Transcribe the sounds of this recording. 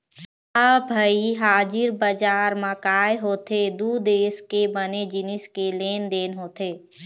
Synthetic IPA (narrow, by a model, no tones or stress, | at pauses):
əbʱəiɦaːd͡ʒɪɾbəd͡ʒaːɾməkaːeɦoːt̪ʰed̪ud̪eːskebəned͡ʒɪnɪskeleːnd̪eːnɦoːt̪eː